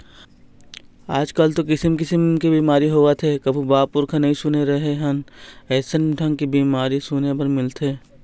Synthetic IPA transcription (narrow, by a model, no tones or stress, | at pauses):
aːd͡ʒkəlt̪okɪsəmkɪsəmkebiːmaːɾiɦoat̪ʰekɐbʱibaːpʊɾkʰanɐɦĩsʊneɾɐɦeɦɐnɛːsənʈɐ̃ŋɡkibiːmaːɾisʊnepɐɾmɪlt̪ʰeː